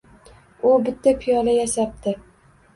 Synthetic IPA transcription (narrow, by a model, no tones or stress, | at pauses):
ʊbɪt̪ʰːapʰijɒlajaʃap̚t̪ʰɪ